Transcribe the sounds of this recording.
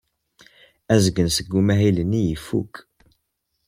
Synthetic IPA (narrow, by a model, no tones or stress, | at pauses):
æzəɡənsəɡːumæɦilənːijəfːṵk